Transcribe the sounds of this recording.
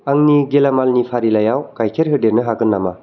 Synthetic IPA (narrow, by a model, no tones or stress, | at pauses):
aŋniɡelamalnipʰaɾilajawkajkʰeɾɦɯdeɾnɯɦaɡɯnːama